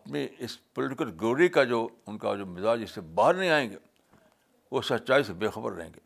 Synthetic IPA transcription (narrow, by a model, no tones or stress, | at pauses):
ɐpniɪspʊlɪʈɪkəlɡoːɾikad͡ʒoːʊnka̰d͡ʒoːmɪzaːd͡ʒɪsːebaːɦəɾnɐĩaːẽːŋɡeː | ʋoːsɐtːʃaːisebeːxɐbə̰ɾːə̰ɦḛ̃ːɡeː